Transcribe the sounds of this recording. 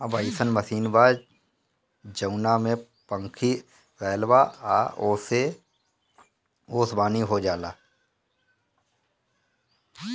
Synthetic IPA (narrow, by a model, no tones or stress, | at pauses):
əbəisənməsiːnbaːd͡ʒ | d͡ʒəʊnamẽ | pə̃ŋkʰi | ɾɛːlʋaaose | oːsbaːniɦod͡ʒaːlaː